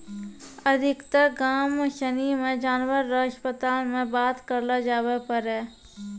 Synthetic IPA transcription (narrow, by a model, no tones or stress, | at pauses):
əd̪ʱɪkt̪əɡaːmʃənimẽd͡ʒaːnwəɾːəəʃpət̪aːlmẽbaːt̪kəɾlad͡ʒaːwepəɾɦɛː